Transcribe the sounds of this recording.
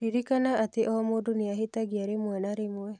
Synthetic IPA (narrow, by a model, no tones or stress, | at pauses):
ɾiɾikanaʔːt̪iʔɔmuduniaɦit̪aɡiaɾimuenaɾimue